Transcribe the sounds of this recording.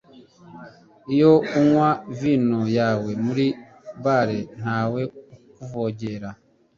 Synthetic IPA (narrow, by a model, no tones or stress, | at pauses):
ijouŋwavinojawemuɾi | baɾen̥aweukuvoɟeɾa